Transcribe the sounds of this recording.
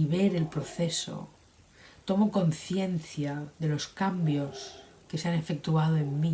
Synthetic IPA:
iβe̞ɾe̞lpɾo̞θe̞so̞̰ | t̪o̞moko̞nθje̞nθjaðe̞lo̞skambjo̞s | ke̞seane̞fe̞k̚t̪uað̞oemːi

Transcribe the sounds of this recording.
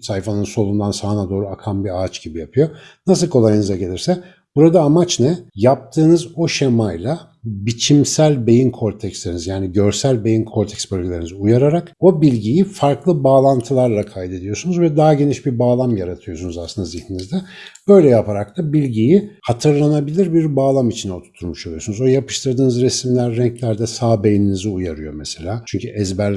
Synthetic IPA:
sajfanɯnso̞lˠund̪ansaɦɯnad̪o̞ːɾuakʰambiaːt͡ʃɟ̥ibijapʰɯjo̞ | nas̬ɯlˠkʰo̞lˠajɯnɯzaɟe̞lʲiɾsɛ | b̥uɾad̪aːmat͡ʃnɛjap̚t̪ʰɯːnɯzo̞ʃemajlˠa | bit͡ʃʰimsælʲbe̞jinkʰo̞ɾt̪ʰɛcslʲe̞ɾinizjaːniɟø̞ɾsælʲbe̞jinkʰoɾt̪ʰɛcsbølʲɟilʲeɾniziujaɾaɾako̞bilʲɟijifaɾklˠɯbaːlˠant̪ʰɯlˠaɾlˠakʰajd̪e̞d̪ijo̞sunuzvɛd̪aɦaɟe̞niʃbiɾbaːlˠamjaɾat̪ʰɯjo̞sunuzaslɯnd̪aziçninizd̪ɛb̥ø̞jlʲɛjapʰaɾak̚t̪ʰabilʲɟijihat̪ʰɯɾlˠanabilʲiɾbiɾbaːlˠamit͡ʃʰinot̪ʰu̥t̪ʰːuɾmuʃo̞lˠujosunuzo̞japɯ̥ʃt̪ʰɯɾd̪ɯːnɯzɾesmlʲæɾːɛɲclʲæɾd̪ɛsaːbe̞jininiziujaɾɯjo̞mɛse̞lʲaːt͡ʃʰyɲcʰyʔɛzbæɾ

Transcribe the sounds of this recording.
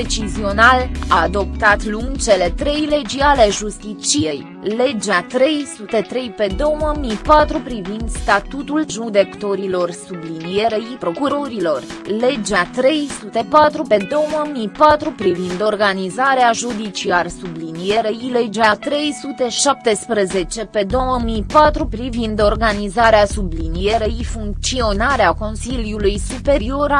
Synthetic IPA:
et͡ʃizio̞nalaːd̪o̞pt̪at̪luŋɡt͡ʃe̞le̞t̪ɾe̞jle̞d͡ʒiale̞ʒust̪it͡ʃijej | le̞d͡ʒat̪ɾe̞jsut̪e̞t̪ɾe̞jpe̞d̪o̞wməmijpat̪ɾupɾivind̪st̪at̪ut̪ulʒud̪e̞kt̪o̞ɾilo̞rsublinije̞ɾeipɾo̞kuɾo̞ɾilo̞r | le̞d͡ʒat̪ɾe̞jsut̪e̞pat̪ɾupe̞d̪o̞wəmijpat̪ɾupɾivind̪o̞rɡanizaɾeaʒud̪it͡ʃiarsublinije̞ɾeile̞d͡ʒat̪ɾe̞jsut̪e̞ʃap̚t̪e̞spɾəze̞t͡ʃe̞pe̞d̪o̞wəmijpat̪ɾupɾivind̪o̞rɡanizaɾeasublinijeɾeifuŋk̚t̪sio̞naɾeako̞nsiljulujsupe̞ɾio̞ɾ

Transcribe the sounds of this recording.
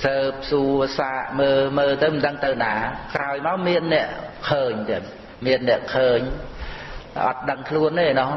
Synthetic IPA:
səːp̚suəsaːʔməːməːt̪ɨwmnɗəŋt̪ɨwnaːkraɔjmaɔwmiənːɛ̆əʔkʰəːɲt̪ɛən | miənːɛ̆əʔkʰəːɲ | ʔɑ̰t̪̚ɗəŋkʰluənːeːnɔh

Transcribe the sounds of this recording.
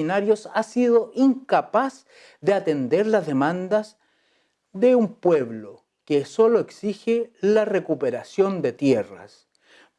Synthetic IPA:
inaɾjo̞sasiðo̞ʔiŋkapas | ðeat̪end̪eɾlazðemãnd̪as | ðeumpwe̞βlo | keso̞loeksixelarekupeɾasjo̞nd̪et̪jera̰s

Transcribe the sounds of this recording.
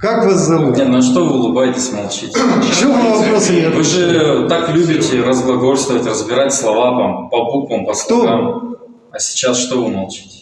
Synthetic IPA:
kakvazd̪ɐvunʲet̪nɐʂt̪o̞vɨʊlˠɨbajɪtʲɪsʲmɐlˠt͡ɕitʲʃovɐpɾosʲevɨʐɨt̪aklʲubʲɪtʲɪɾəzɡlˠɐɡo̞rʲst̪vəvətʲrəzbʲɪɾatʲslˠɐvavampɐbukvəmpɐsk̪kam | ɐsʲɪ̥t͡ɕasʂt̪ovɨmɐlˠt͡ɕi̥tʲɪ̥

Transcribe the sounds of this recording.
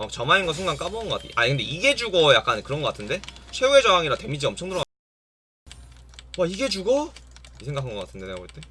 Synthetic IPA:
ʌt͡ɕʌmainɡʌs̬ʰuŋɡaŋk͈abonɡʌk͈atʰʔakɯnde̞iɡe̞d͡ʑuɡojak̚k͈ankɯɾʌnŋɡʌk͈atʰɯnde̞sʰe̞we̞d͡ʑʌaŋiɾate̞mid͡ʑiʌmt͡ɕʰʌŋdɯɾʌ | waiɡe̞d͡ʑuɡʌisʰeŋɡakʰanɡʌk͈atʰɯndeneɡaboit͈e̞

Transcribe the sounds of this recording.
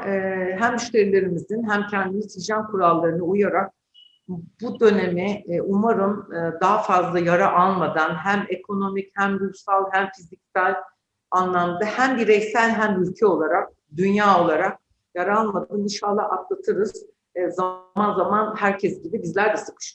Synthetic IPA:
ɦæmyʃt̪ʲe̞ɾilʲe̞ɾimizinɦæmcʰænd̪inʲit̪ʰid͡ʒankʰuɾalˠːaɾɯnɯujaɾak̚ | bud̪ø̞ne̞miʔumaɾɯmɯd̪aɦafazlˠajaɾaʔalˠmad̪anɦæmekʰo̞no̞michæmɾuɾsalˠɦæmfizicsælʲ | anlˠamd̪ahæmbiɾɛçsælʲɦæmylʲcʰɛo̞lˠaɾak̚ | d̪ynjaːo̞lˠaɾak̚ | jaɾaalˠmad̪annɯʃalˠːaʔat̪lˠat̪ʰɯɾɯz̥ | zamanzamanhæɾcʰɛsɟibibizlʲæɾd̪ɛsɯ̥kʰɯ̥ʃ

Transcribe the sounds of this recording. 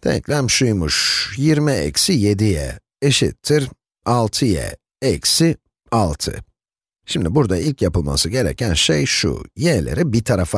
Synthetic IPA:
t̪ʰɛ̰clʲæmʃujmuʃjiɾmiɛ̰csije̞d̪ijɛ̰ | eʃḭt̪ʰːiɾ | alˠt̪ʰɯjɛ̰ | ɛcsi | alˠt̪ʰɯ̰ | ʃimd̪ibuɾd̪ailʲcʰjapɯlˠma̰sɯɟe̞ɾɛ̰cʰænʃejʃṵjɛlʲḛɾibit̪ʰaɾafa

